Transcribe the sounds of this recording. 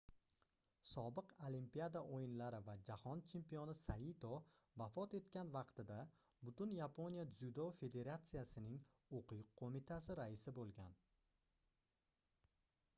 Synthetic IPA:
sɒbɨqolimpijad̪aʔojɪnlaɾɪvad͡ʒahɒnt͡ʃʰe̞mpijonɪsait̪ʰo | vafɒt̪e̞t̪kʲanvɑqt̪ɪd̪a | bʊt̪ʊnjapʰo̞nʲijazud̪ofe̞d̪e̞ɾat̪sɨjasɪnɪŋ | oqɨjqʰːomɪt̪ʰasɪɾaɪsɪbolˠɡʲan

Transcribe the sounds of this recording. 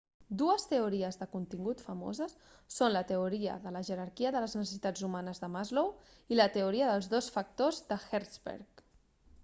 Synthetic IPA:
d̪uəst̪əuɾiəzðəkunt̪iŋɡut̪fəmo̰zəsː | onlət̪əuɾiə̰ðələʒəɾəɾkiəðələznəsəsit̪ad͡zumanəzðəmazlow | ilət̪əuɾiəðəlˠzðosfək̚t̪ozðəxɛɾzbɛ̰ɾk

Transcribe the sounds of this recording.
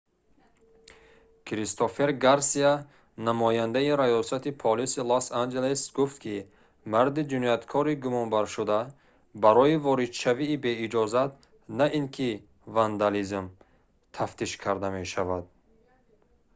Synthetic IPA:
kʰɾist̪ʰofe̞ɾɡaɾsia | namɔjand̪aiɾajɔsat̪ipʰɔlisilosand͡ʒelesɡuft̪kʰi | maɾd̪id͡ʒinɔjat̪kʰɔɾiɡumɔnbaɾʃud̪a | baɾɔivɔɾid̪ʃaviːbe̞id͡ʒɔzat̪ | naʔinkʰi | vand̪alizm | t̪ʰaft̪ʰiʃkʰaɾd̪ame̞ʃavad̪̚

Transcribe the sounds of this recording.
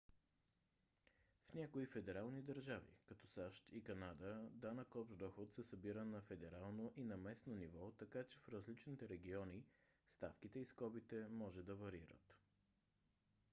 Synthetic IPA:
fnʲakoifɛd̪ɛɾalˠnid̪ɐɾʒavḭkɐt̪ɔsaʃt̪ʰikɐnad̪əd̪anɐkɔbʒd̪ɔxot̪sɛsɐbiɾənɐfɛd̪ɛɾalˠnoʔinɐmɛsnonivɔt̪ɐkat͡ʃɛfɾəzlit͡ʃnit̪ɛɾɛɡ̟iɔni | st̪afkit̪ɛiskɔbit̪ɛmɔʒɛd̪ɐvɐɾiɾə̰t̪

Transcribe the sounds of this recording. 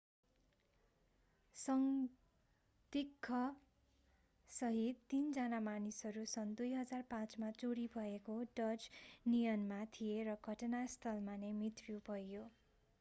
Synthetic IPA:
sʌŋ | d̪ikʰːʌ | sʌɦit̪ːind͡zʌnamanisɦʌɾusʌnd̪ujɦʌd͡zarpãt͡smat͡suɽibʱʌekoɖʌd͡znijʌnmat̪ʰijeɾʌɡʱʌʈʌnast̪ʰʌlmanemit̪rjubʱʌjo

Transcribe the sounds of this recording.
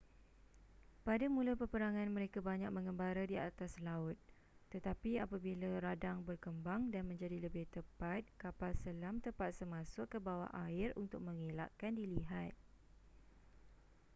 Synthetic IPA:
padamũlapəpəɾaŋãnmə̃ɾekabaɲak̚mə̃ŋəmbaɾadiat̪aslaʊt̪̚ː | ət̪apiapabilaɾadaŋbərkəmbaŋdanmə̃ɲd͡ʒadiləbɪht̪əpat̪̚kapalsəlamt̪əpat̪̚səmãsʊkːəbawa̰ʔaɪrṵnt̪ʊk̚mə̃ŋela̰ʔkandiliɦat̪̚

